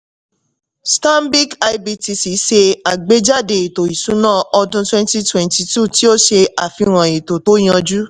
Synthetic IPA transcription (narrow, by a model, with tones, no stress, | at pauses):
stã˦mbi˦ka˧jbi˧ti˧si˨˦ʃe˧a˨ɡ͡be˨˦d͡ʒa˦˨de˨i˨to˨i˨sũ˨˦nãː˦˨ɔ˧dũ˧twɛ̃˦n˦ti˦twɛ̃˨nti˧tu˦˨ti˦o˦ʃe˧a˨fĩ˧ɾ̃ã˨e˨to˨to˨˦j̃ã˧d͡ʒu˦